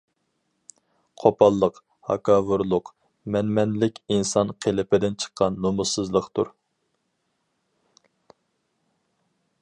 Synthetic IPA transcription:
qʰopʰɑlˠːəq | hɑ̰kʰɑvʊɾlˠʊq | mɛnmɛnlɪkʲinsɑnqʰelɪpɪd̪ɪnt͡ʃʰə̥qʰːɑnːomʊsɨzlˠəqt̪ʰṵɾ

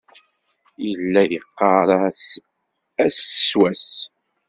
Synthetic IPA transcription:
jəlːæjiqːɑɾˤɑs | æsswæs

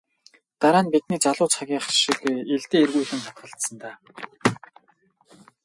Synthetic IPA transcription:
t̪aɾaːnpit̪niːt͡ɕaɮʊːt͡sχaɣʲiːɴχrʃĭkeɮt̪eːerɣujxɘ̆nχat̪̚ɢə̆ɬt̪sə̆nt̪aː

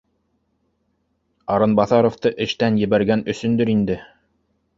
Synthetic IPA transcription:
ɑɾɤnbɑθɑɾoft̪ɤʔɘ̆ʃt̪ænjɘ̆βæɾɡænɵ̆sɵ̆nd̪ɵɾind̪ɘ

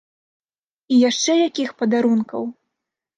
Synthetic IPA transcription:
ijaʂt͡ʂɛjakʲixpɐd̪aɾunkɐ̰w

